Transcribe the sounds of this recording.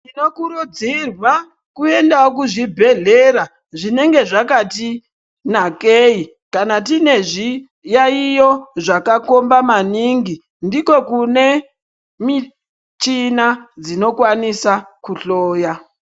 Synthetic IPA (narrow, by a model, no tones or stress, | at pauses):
tino̞kuɾud͡zirwa | kue̞ndawok̬uʐibʱe̞ɮe̞ɾa | ʐine̞ŋɡe̞ʐakati | nakei | kanat̬ine̞ʐi | jaijo̞ʐakako̞mbamaniŋɡi | ndiko̞kune̞ | mi | t͡ʃinad͡zino̞kwanisakuɬoːja